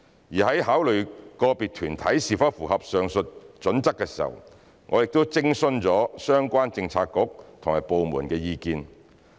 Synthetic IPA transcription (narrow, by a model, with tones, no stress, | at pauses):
jiː˨˩hɐ˨˥jɦaː˨˥wlɵ˨ɥkɔː˧piː˨t̚t̪ʰyː˨˩nt̪ʰɐ˨˥jsiː˨˩fɐ˥t̚fuː˨˩hɐ˨p̚sœː˨˧ŋsɵ˨t̚t͡ʃɵ˨˥nt͡sɐ˥kːɛː˧siː˨˩hɐ̰˨˩w | ŋʔɔː˨˧jɪ˨k̚t̪o˥wt͡sɪ˥ŋsɵ˥nt͡sɔː˨˥sœː˥ŋkʷaː˥nt͡sɪ˧ŋt͡sʰaː˧kːʊ˨˥k̚t̪ʰʊ˨˩ŋma̰ː˨˩jpo˨˧wmuː˨˩nkɛː˧jiː˧kiː˧n